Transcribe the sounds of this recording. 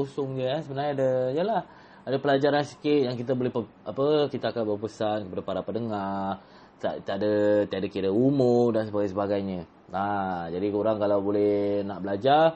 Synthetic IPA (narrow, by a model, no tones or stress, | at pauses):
osʊŋdəasəbənarɲadəjəlah | adapəlad͡ʒaɾansə̥kɪt̪̚jaŋkit̪abolɛhpə | apəkit̪aakanbərpəsat̪̚kəpadapaɾapənəŋa | t̪at̪iadat̪iadakiɾəumʊrdansəbaɡajs̬əbaɡajɲə̃ | ad͡ʒadikuɾaŋkalawbolɛhnaʔbəlad͡ʒar